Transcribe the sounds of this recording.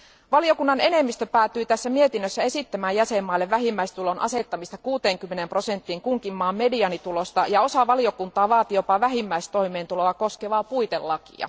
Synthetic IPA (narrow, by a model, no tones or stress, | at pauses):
ʋɑlio̞kunːɑne̞ne̞mːist̪øpæːt̪ːˑyːt̪æsːæmie̞t̪inːøsːæe̞sit̪ːæmæːjæsemːɑilːeʋʋæɦimːæist̪ulo̞nʔɑ̰se̞t̪ːɑmist̪ɑkuːt̪e̞ːŋkymːe̞nempro̞se̞nt̪ːiŋkuŋkimːɑːmme̞diɑnit̪ulo̞st̪ɑjɑo̞sɑʋɑlio̞kunt̪ɑːʋɑːt̪ijo̞pɑʋæɦimːæist̪o̞jmeːnt̪ulo̞ɑko̞skeʋɑːpujt̪ḛlːɑkḭɑ̰